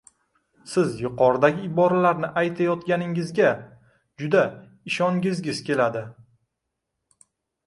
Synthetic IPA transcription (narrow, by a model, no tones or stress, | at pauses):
sɪzjʊqɒɾd̪aɡʲɪɪbɒɾalaɾnɪʔajt̪ʰajɒt̪kʲanɪŋɪzɡʲa | d͡ʒʊd̪a | ɪʃɒŋɡʲɪzɡʲɪz̥kʲe̞lad̪ɪ